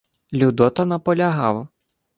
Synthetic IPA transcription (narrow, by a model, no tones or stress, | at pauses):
lʲud̪ɔt̪ɐnɐpɔlʲɐɦɑwˠɐ